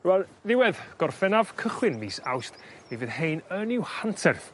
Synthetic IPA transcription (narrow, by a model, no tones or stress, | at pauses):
wɛlˠðɪwɛðɡ̥ɔrfɛnav̥kʰəχwɪnmiːsa̰wst | ivɨðhejnənɪwhantʰɛrθ